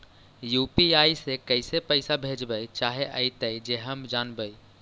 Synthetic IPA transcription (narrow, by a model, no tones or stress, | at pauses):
jupiajsekəɪsepəɪsabʱed͡ʒbəjt͡ʃaɦeʔə̰jt̪əjd͡ʒeɦəmd͡ʒanbəj